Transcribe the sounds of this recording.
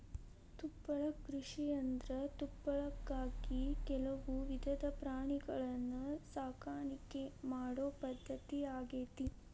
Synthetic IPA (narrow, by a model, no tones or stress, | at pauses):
t̪upːɐɭɐkɾuʂijɐnd̪ɾɐt̪upːɐɭɐkːaːɡikɛlɐʋuʋid̪ʱɐd̪ɐpɾaːɳiɡɐɭɐnːusaːkʰaːɳikemaːɽoːpɐd̪ʱːɐt̪iaːɡeːt̪i